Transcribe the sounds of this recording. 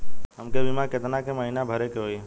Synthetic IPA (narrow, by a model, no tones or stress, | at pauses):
ɦəmkebʱɪmãkɪt̪nakeməɦinabʱəɾekeɦoiɛ